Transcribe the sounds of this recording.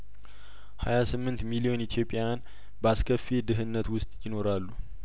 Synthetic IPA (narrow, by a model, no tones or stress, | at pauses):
ha̰jasɨmːɨnt̪milio̞nit̪ʰjo̞pʼːɪjan | bəaskʰəfːed̪ɨɦɨnːət̪wʊst̪ʼjɪno̞ɾalːu